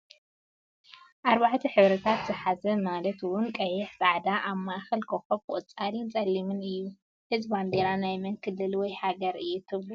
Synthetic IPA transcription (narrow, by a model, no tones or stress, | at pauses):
ʔaɾβaʕt̪ʰiħɨβɾɐt̪ʰat̪z̥ɨħazɐmalɐt̪wʊnkʼɐjːɛħsʼaʕd̪aʔaβmaʔxɐlkʰoxobʔʼɨt͡sʼalint͡sʼɐlːimɨnɨjːu | hɨzband̪eɾanajmɐŋkʰɨlɨlwɔjhaɡɐɾɨjːut̪ʰɨβlu